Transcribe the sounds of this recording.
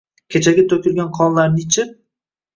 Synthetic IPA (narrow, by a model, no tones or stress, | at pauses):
kʲʰet͡ʃʰaɡʲat̪ʰɵkʲɪɾɡʲanqʰɒnlaɾnɪt͡ʃʰɪ